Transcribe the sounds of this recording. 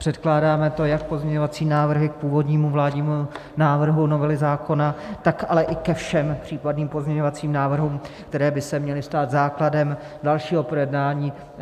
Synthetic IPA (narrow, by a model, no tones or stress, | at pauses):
pr̝̥ɛt̪klaːdaːmɛt̪o̞jak̚po̞zɲɛɲovat͡siːnaːvr̩ɦɪk̚puːvo̞dɲiːmuvlaːdɲiːmu | naːvr̩ɦuno̞vɛlɪzaːko̞nat̪akʔalɛʔɪkɛfʃɛmpr̝̥iːpadniːmpo̞zɲɛɲovat͡siːmnaːvr̩ɦuːmkt̪ɛɾɛːbɪsɛmɲɛlɪst̪aːt̪zaːkladɛm | dalʃiːɦo̞pɾojɛdnaːɲiː